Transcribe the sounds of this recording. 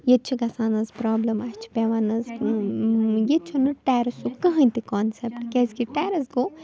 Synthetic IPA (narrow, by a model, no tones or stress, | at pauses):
jet͡ʃʰiɡɐsaːnɐzpɾaːblɐmɐst͡ʃʰi̥pʲeːʋaːnɐz | jet͡ʃʰunɨʈeːɾɐsukɐɦɐ̃nʲt̪ikaːnsepʈkʲɛsʲkiʈɛːɾɐsɡo